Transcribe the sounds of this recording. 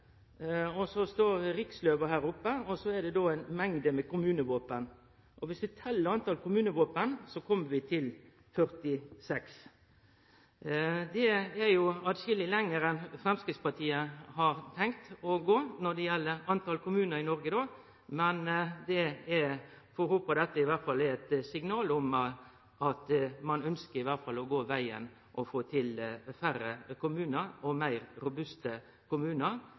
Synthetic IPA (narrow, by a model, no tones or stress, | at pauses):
ɔsɔst̪oːɾɾɪksløːʋəhæːɾʊpːəɔsɔɛd̪ɛd̪oæɪnmɛŋd̪əmɛkʊmʉːnəʋoːpən | ʔɔʋɪsʋɪt̪ʰɛlːəɾɑnt̪ɑlkʰʊmʉːnəʋoːpənsɔkʰɔmːəʋɪt̪ʰɪl | fœɾt̪ɪsɛks | d̪ɛɛɾjʊɑt̪ʃɪlɪlɛŋːəɾɛnfɾɛmskɾɪt̪spɑt̪ʰiːəhɑɾt̪ʰɛŋkt̪ɔɡoːnɔd̪ɛjɛlːəɾɑnt̪ʰɑlkʊmʉːnəɾɪnɔɾɡəd̪oː | mɛnd̪ɛɛ | fɔɾhuːpɔd̪ɛt̪ːəɪʋæʁt̪fɑlːɛɛt̪sɪŋnɑːlɔm | ɑt̪mɑnœnskəɾɪʋæɾt̪fɑlːɔɡoːʋæɪə̰n | ʔɔfoːt̪ʰɪlfæɾəkʰʊmʉːnəɾɔmæɪɾɾʊbʉst̪ə | kʊmʉːnəɾ